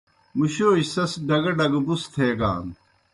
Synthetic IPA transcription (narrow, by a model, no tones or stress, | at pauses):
muɕoːɕsɐsɖɐɡɐɖɐɡbust̪ʰeːɡa̰ːn